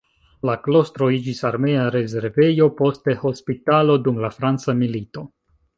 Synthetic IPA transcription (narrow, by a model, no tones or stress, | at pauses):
laklo̞stɾo̞id͡ʒisaɾme̞aɾe̞ze̞ɾve̞jo̞po̞ste̞ho̞spitalo̞dumlafɾant͡samilito̞